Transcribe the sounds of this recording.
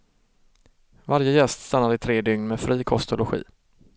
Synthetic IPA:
vaɾjəjɛst̪st̪anːad̪əɪt̪ʰɾeːd̪ʏŋnmɛːfɾiːkʰɔst̪ʊlʊɧḭː

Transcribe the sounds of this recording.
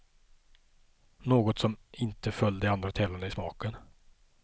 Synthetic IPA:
noːɡɔt̪sɔmɪnt̪əfœld̪əand̪ɾat̪ʰeːlaɳəɪsmɑːkən

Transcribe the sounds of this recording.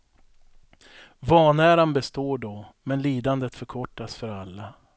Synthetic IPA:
vɑːnæːɾanbɛst̪oːɖɔmɛnliːd̪and̪ət̪fœɾkʰɔʈːasfœɾalːa

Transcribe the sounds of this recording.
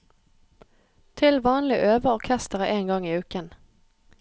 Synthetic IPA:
t̪ʰɪlʋɑːnlɪʔøːʋəɔkʰæst̪əʁəʔeːnɡɑŋiːʉːkən

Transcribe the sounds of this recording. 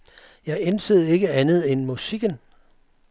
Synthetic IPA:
jɑ̈ɪensəð̩ˠe̝ɡ̥əænð̞̩ˠenmusiɡ̥ən

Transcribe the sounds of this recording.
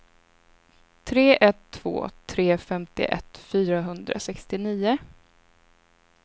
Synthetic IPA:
t̪ʰɾeːʔɛt̪ʰːv̥o̰ːt̪ʰɾeːfɛmt̪ɪ̰ʔɛ̰t̪fyːɾaɦɵnd̪ɾa̰sɛkst̪ɪniːʊ

